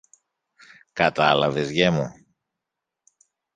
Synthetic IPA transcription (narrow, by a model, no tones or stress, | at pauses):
kɐt̪ɐlɐve̞zʝemu